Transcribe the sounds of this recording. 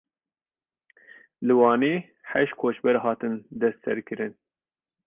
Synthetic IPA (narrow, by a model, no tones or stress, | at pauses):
lɨwɑːneː | ħɛʃt̪̚kʰoːt͡ʃbɛɾhɑːt̪ɨnd̪ɛst̪sɛɾkʰɨɾɨn